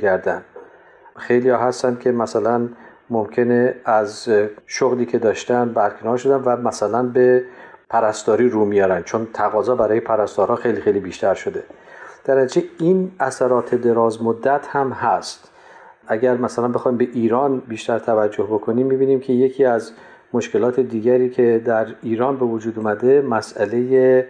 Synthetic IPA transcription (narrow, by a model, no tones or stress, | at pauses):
ɡæɾd̪ænd̪ | xejlijɒːɦæst̪ænd̪̥̚kʲʰe̞mæsælæn | momcʰe̞neæzʃoɣliːcʰe̞d̪ɒːʃt̪ænbæɾkʰe̞nɒːɾʃo̞d̪ænvæmæsælænbe̞pʰæɾæsd̪ɒːɾiːɾuːmijɒːɾænd̪̥t͡ʃʰont̪ʰæɣɒːzɒːbæɾɒːjepʰæɾæst̪ɒːɾhɒːxejlixejliːbiːʃt̪æɾʃo̞d̪e̞ | d̪̥æɾnæt̪id͡ʒeinʔæsæɾɒːt̪ʰe̞d̪e̞ɾɒːzmod̪ːæt̪ʰhæmhæst̪ | ʔæɡæɾmæsælænbe̞xɒːimbe̞ʔiːɾɒːnbiːʃt̪æɾt̪ʰævæd͡ʒːo̞hbo̞kʰo̞niːmːibiːniːmcʰe̞je̞cʰiːæz | mo̞ʃke̞lɒːt̪ʰe̞d̪iːɡæɾiːcʰe̞d̪æɾiːɾɒːnbe̞vod͡ʒuːd̪uːmæd̪e̞mæsæle̞je